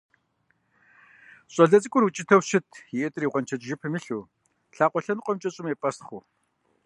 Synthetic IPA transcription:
ɕʼɐɮɐt͡sʼɨkʷʼʊrut͡ʃʼɪtʰɐwʃɪtʰjiɛtʼriːʁʷɔnt͡ʃʰɐt͡ʃʼʒɪpʰɨmɨɬuː | ɬaːqʷʼɔɬɐnqʷʼɔmt͡ʃʼɐɕʼɪmeːpʼɐst̪χʷuː

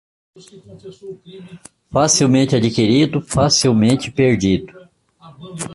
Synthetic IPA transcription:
fasiwmẽnt͡ʃɪad͡ʒikiɾid̪ʊfasiwmẽt͡ʃɪ̥peɾd͡ʒid̪ʊ

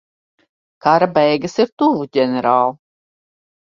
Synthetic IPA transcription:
kaɾabɛjɡɨsiɾt̪uvuɟʲɛnɛɾaːlˠu

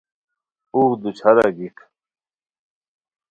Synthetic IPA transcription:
uːd̪ut͡ɕʰaɾaɡikʰ

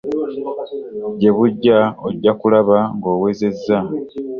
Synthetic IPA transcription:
ɟe̞βuɟːaoɟːakulaβaŋɡo̞ːwe̞ːze̞zːa

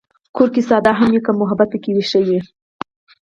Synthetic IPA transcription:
kʰoɾkisɑd̪ɑɦamjekamʊɦabat̪̚əkiwiʃaje

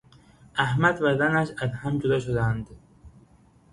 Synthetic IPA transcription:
ʔæhmæd̪væd̪ænæʃæzhæmd͡ʒod̪ɒʃod̪ænd̪

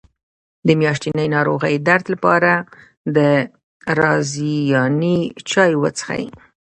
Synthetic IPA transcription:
d̪əmjɑʃt̪inəjnɑɾoɣəjd̪aɾt̪lapɑɾa | d̪ə | ɾɑzijɑnit͡ʃɑjwət͡sə̥xa̰jḭ

